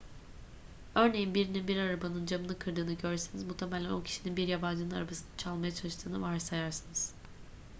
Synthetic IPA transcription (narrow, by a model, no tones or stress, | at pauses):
ø̞ɾne̞jinbiɾininbiɾaɾabanɯnd͡ʒamɯnɯkʰɯɾd̪ɯːnɯɟøɾsenizmut̪ʰemælʲɛnocʰi̥ʃininbiɾjaband͡ʒɯnɯna̰ɾabasɯnɯt͡ʃʰalˠmajat͡ʃʰalˠɯʃt̪ʰɯːnɯvaɾsajaɾsɯnɯz̥